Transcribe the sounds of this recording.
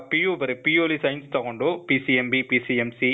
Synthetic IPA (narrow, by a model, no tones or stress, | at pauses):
pijoːbɐɾɯpioːlisɐjɪnst̪ɐɣɔɳɖopisiɛmbipisiɛmsi